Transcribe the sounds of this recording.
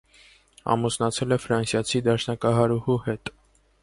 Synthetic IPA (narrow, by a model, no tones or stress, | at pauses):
ɑ̰musnɑt͡sʰɛlɛfɾɑnsjɑt͡sʰid̪ɑʃnɑkɑɦɑɾuhuhɛt̪